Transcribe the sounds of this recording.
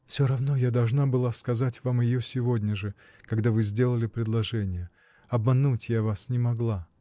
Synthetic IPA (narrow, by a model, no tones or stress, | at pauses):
fsʲoɾɐvno̞jad̪ɐlˠʐnabɨlˠaskɐzatʲvamjɪjosʲɪvodʲnʲəʐɨ | kɐɡd̪avɨzʲdʲe̞lˠəlʲɪpɾʲɪd̪lˠɐʐɛnʲɪjə | ɐbmɐnutʲjavasnʲɪmɐɡlˠa